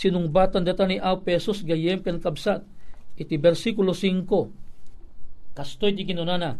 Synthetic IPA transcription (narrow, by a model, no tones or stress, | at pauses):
sinʊŋbat̪and̪ɐt̪aniʔawpɛsusɡɐjɛmkɛnkɐbsat̪̚ɪt̪ibɛɾsikulosiŋko | kɐst̪ojt̪ikɪnonana